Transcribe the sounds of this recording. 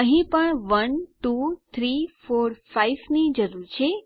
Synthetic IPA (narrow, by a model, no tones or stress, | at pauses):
əɦĩpəɳʋənʈut̪ʰɾifoɾfajʋnid͡ʒəɾuɾt͡ʃʰe